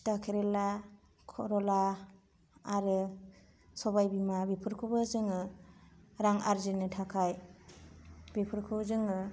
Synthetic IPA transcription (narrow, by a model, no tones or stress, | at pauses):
takʰeɾela | kʰɔ̰ɾɔla | aɾɯ | sɔbajbimabipʰɯɾkʰubazɯŋɯ | ɾaŋaɾzinɯtʰakʰaj | bipʰɯɾkʰɯbzɯŋɯ